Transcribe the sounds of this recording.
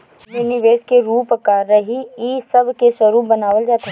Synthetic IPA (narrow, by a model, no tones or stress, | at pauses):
juːniʋeːskeɾuːpəkaːɾːɐɦiiːsɐbkesəɾuːpbɐnaːʋəld͡ʒaːt̪e